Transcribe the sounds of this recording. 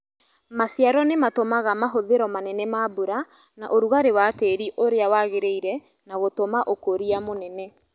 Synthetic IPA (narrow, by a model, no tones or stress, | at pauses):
masjaɾɔnematomaɣamaɦoðeɾɔmanɛnɛmabuɾa | naʔoɾuɣaɾewateɾiʔoɾeawaɣeɾeiɾɛ | naɣotomaʔokoɾiamonɛnɛ